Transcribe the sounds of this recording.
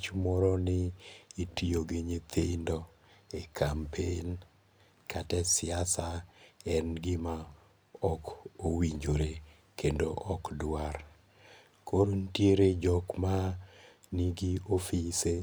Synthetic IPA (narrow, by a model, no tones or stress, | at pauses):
t͡ʃmɔɾɔnɪːtioɡiɲit̪ʰɪendɔ | ekʰampʰen | kʰatɛsɪasaɛnɡɪma | ɔkowiɲd͡ʒoɾe | kendoʔɔkdwar | koɾontjeɾed͡ʒɔkma | niɡiofise